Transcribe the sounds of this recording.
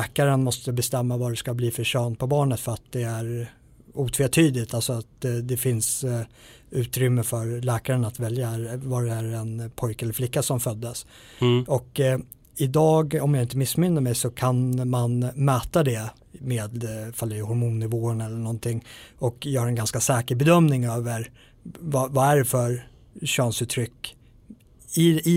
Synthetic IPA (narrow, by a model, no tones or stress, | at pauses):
kaɾənmɔst̪əbɛst̪ɛmːavaɖɛskabliːfœɕœːnt̪̚pʰɔbɑːɳət̪fœɾat̪̚d̪ɛæɾ | uːt̪ʰveːt̪ʰyːd̪ɪt̪alsɔat̪d̪ɛfɪns | ʉ̟ːt̪ɾʏmːəfœɾlɛːkaɾənat̪vɛljaɾvaɾɛæɾɛnpʰɔjkɛlːəɾflɪkːasɔmfœd̪ːəs | ɔk | ɪd̪ɑːɡɔmjaɪnt̪əmɪsːmʏnːəɾmɛjsɔkʰanmanmœːt̪ad̪ɛ | meːd̪falːɛhɔɾmuːnːɪvoːənɛlːəɳɔnt̪ʰɪŋːɔkjœːhaɾɛnɡanskasɛːkəɾbɛd̪œmnɪŋøːvəɾ | vavaæɖɛfœɾ | ɕɑːnsʉt̪ʰɾʏkː | ɪɪ